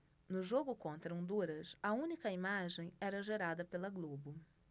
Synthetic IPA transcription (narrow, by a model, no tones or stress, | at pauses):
nʊʒoɡʊkõnt̪ɾɐõnd̪uɾɐsɐũnikɐimaʒẽj̃ɛɾɐʒeɾad̪ɐpelɐɡlobʊ